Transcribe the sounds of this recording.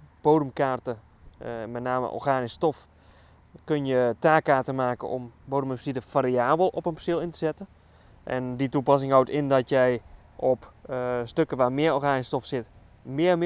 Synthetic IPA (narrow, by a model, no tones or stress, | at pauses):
b̥oːdəmkaːrtə | mɛtnaːmə̰ʔɔ̰rxaːnɪstɔf | kønjətaːkaːrtəmaːkəɔ̰mboːdəmɛpsitəfaːɾiaːbəlˠɔpənpsilˠɪntəsɛtə | ʔɛ̰nditupas̬ɪŋɦɔwtɪndɔtjɛj | ʔɔpstøkəʋaːmɪəɔrxaːnɪstɔfsɪt | mɪəm